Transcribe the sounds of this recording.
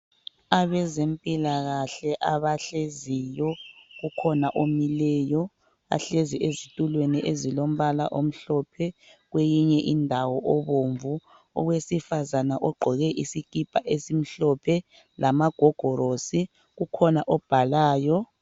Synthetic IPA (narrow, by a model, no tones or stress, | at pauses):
aβɛzempʼilaɣaɬɛʔaβaɬezijɔɣukʰɔnaʔomilɛːjɔ | a̰ɬeziʔezitʼulweniʔezilom̩βala̰ʔom̩ɬɔpʰɛɣwejiɲɛʔindʱawɔʔɔβoːɱvu | ɔ̰ɣwesifazanaʔɔɡ͡ǃʱɔɣɛʔisiɡ̥ʱib̥ʱaʔesim̩ɬɔpʰɛ | lamaɡ̥ʱɔɡ̥ʱɔɾosi | ɣukʰɔnaʔɔb̥ʱalaːjɔ